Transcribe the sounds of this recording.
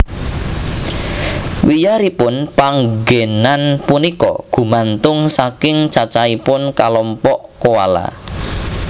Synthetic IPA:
wijaɾipʊnpaŋɡenanpunikɔ̰ɡ̥ṳmant̪ʊŋsakɪŋt͡ʃat͡ʃaipʊnkalɔmpɔʔkowa̰la̰

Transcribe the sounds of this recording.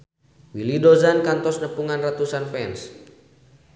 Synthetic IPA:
wilidɔzankant̪ɔsnəpuŋanrat̪usanfɛns

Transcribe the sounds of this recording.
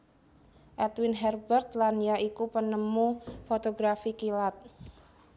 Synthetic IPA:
ʔɛt̪winɦɛrbərt̪̚lanjaʔikupənəmufot̪oɡɾafikilat̪̚

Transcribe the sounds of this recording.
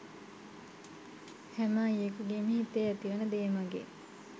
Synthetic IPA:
hæmaːijekuɡemiɦit̪ːeæt̪iʋɐnəd̪eːmɐɡḛ

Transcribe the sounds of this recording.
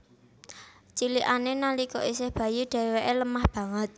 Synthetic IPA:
t͡ʃiliʔanenalikɔʔisɪhb̥ä̤juɖ̥ɛ̤weʔeləmahb̥ä̤ŋət̪̚

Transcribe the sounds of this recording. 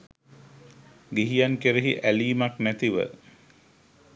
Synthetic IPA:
ɡiɦijankeɾeɦiʔæliːmaknæt̪iʋə̰

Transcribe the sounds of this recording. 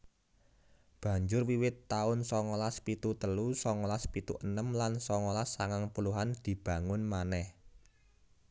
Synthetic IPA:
b̥ä̤ɲd͡ʒʊrwiwɪt̪ːaʊnsɔŋolaspit̪ut̪əlusɔŋolaspit̪ṵʔənəmlansɔŋolasːaŋaŋpuluɦand̪̥i̤b̥ä̤ŋʊnmanɛh

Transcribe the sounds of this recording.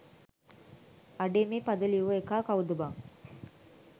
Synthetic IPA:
ɐɖeːmeːpɐd̪ɐlijuʋɐekaːkaʋud̪ɐbaŋ

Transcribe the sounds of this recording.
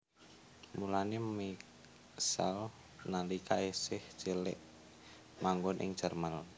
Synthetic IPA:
mulanemi | sa̰l | nalikʰaesɪht͡ʃilɪ̰ʔ | maŋɡʊnʔɪ̰ŋ̥d͡ʒ̥ərmal

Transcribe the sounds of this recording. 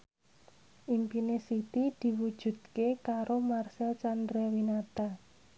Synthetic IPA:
ʔimpinesit̪id̪̥i̤wud̥ʒ̥ṳd̪̥̚kekaɾomarsɛlt͡ʃandɾɛwinat̪a

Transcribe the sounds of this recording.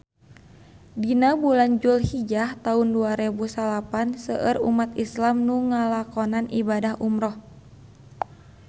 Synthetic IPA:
dinabuland͡ʒulhid͡ʒaht̪aunduaɾɛbusalapansəʔərṵmat̪islamnuŋalakɔnanʔibadahʔumɾɔh

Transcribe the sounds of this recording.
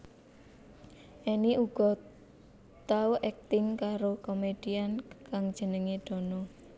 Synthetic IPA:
ʔiniʔuɡ̥ɔ̤ | t̪auʔɛk̚t̪ɪŋkaɾokomed̥iankaŋ̥ʒ̥ə̤nəŋeɖ̪̥ɔ̤nɔ

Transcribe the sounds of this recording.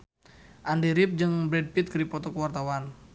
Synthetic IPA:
ʔandiɾip̚d͡ʒɨŋbɾɛd̚pit̪̚kəɾipɔt̪ɔkəwart̪awan

